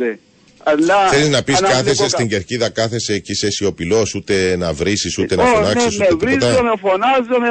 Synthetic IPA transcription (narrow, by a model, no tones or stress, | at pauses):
e | ɐlːɐθeliznɐpiskɐθesest̪iɲɟeɾciðɐkɐθe̞secisesio̞pilo̞sut̪e̞nɐvɾisisut̪enɐfonɐksisueeɾiozt̪ɐomefonɐzome